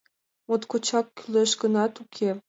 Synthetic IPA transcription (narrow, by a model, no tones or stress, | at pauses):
mot̪kot͡ɕɑkːyleʃɡə̆nɑt̪ukʰe